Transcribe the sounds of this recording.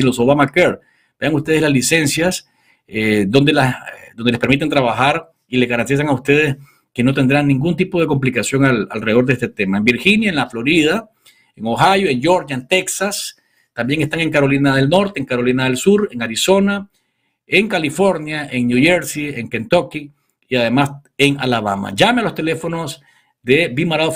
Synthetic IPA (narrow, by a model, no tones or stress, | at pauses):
nlosoβamakeɾ | b̥e̞aŋust̪e̞ð̞e̞zlazlise̞nsjas | ed̪o̞nd̪elasd̪o̞nd̪eespeɾmit̪ent̪ɾaβaxaɾ | ilezɣaɾant̪is̬aŋaust̪e̞ð̞e̞s | ke̞no̞t̪e̞nd̪ɾannĩŋɡunt̪ipo̞ð̞e̞ko̞mplikasjoŋala̰lreoɾd̪eest̪et̪emaembiɾxinjaenlaflo̞ɾið̞a | eŋoxajoeŋd͡ʒoɾɲaent̪e̞ksas | t̪ambjeŋe̞st̪aŋe̞ŋkaɾo̞linaðe̞lno̞ɾt̪e̞eːŋkaɾo̞linaðe̞lsuɾeŋaɾiso̞na | eŋkalifo̞ɾnjaʔeŋnjuʝeɾsieŋkent̪o̞ki | iaðe̞maseŋa̰laβa̰ma̰ʝamealo̞st̪e̞le̞fo̞no̞s | d̪e̞bimaɾaðo